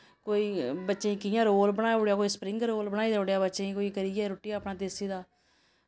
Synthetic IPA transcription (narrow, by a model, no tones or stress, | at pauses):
koːiːbətːʃeːĩːkɪjãːɾoːlbəɽ̃aːjʊɽjaːkoːiːspɾɪ̃ŋɡɾoːlbəɽ̃aːiːd̪oɽjaːbətːʃeĩːkoːiːkəɾiːɛːɾoːʈiːpɳãːt̪eːsiːd̪aː